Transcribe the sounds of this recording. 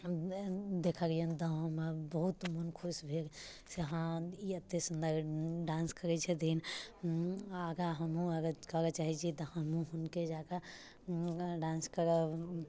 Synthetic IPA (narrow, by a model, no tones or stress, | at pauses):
d̪ekʰaɡijənd̪ɔɦə̃mebəɦut̪mənkʰusbʱeɾ | seɦãiət̪ːesənd̪əɾɖãnskəɾɛt͡ʃʰɛd̪ʱin | aɡaɦəmɦũəɡəkəɾət͡ʃaɦit͡ʃʰit̪ɔhəmɦũɦunked͡ʒaka | ɖãnskəɾə